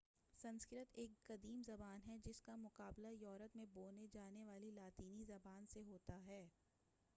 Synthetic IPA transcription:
sɐ̃nskɪɾət̪eːkɡɐd̪iːmzɐbaːnɦɛd͡ʒɪskamʊqaːblajɔːɾət̪mẽboːned͡ʒaːneʋaːlilaːt̪iːnizɐbaːnseɦoːt̪aɦɛː

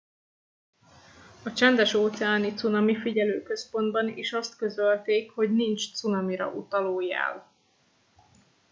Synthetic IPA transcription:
ɒt͡ʃɛnd̪ɛʃoːt̪sɛaːnit̪sunɒmifiɟɛløːkø̞spo̞nd̪bɒniːʃɒst̪kø̞zølt̪eːkho̞ɟnint͡ʃt̪sunɒmiɾɒ̰ʔut̪ɒloːja̰ːl

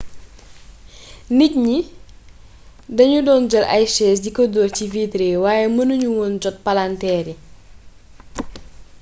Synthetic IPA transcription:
nic̚ɲi | dɐɲudɔːnd͡ʒɐlʔɐ̰jʃɛːsɟikɔdɔːciviːtɾewaːjɛmənuɲuwɔnd͡ʒɔt̚palantɛːɾi

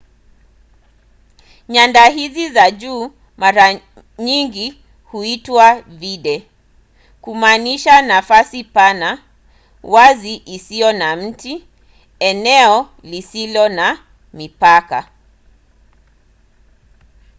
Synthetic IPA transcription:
ɲandaɦizizaʄuː | maɾa | ɲiŋɡi | huitwaviɗɛ | kumaːniʃanafasipana | waziʔisijɔnam̩ti | ɛnɛɔ | lisilɔna | mipaka

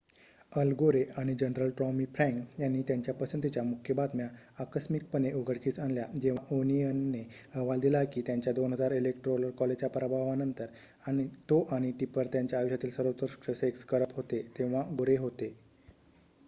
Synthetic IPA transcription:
əlɡoɾeaɽ̃id͡ʑənɾəlʈɾɔmifɾɛ̃ŋkjanːiːt̪jaɲt͡ɕjapəsənt̪it͡ɕjamukʰjəbad̪mjaː | kəsmik̚pəneuɡʱəɽkiːt͡sanljad͡ʑeʋaʔoniənːeəʋald̪ilakiːt̪jaɲt͡ɕjad̪onɦəd͡zaɾelek̚ʈɾoləɾkɔled͡ʑapɾəbʱaʋanənt̪əɾ | añit̪oʔaɽ̃iʈipəɾt̪jaɲt͡ɕjaːjɕjat̪iːlsəɾət̪oɾʂʈəsekskəɾət̪ɦot̪et̪ẽʋ̤aɡoɾeɦot̪e

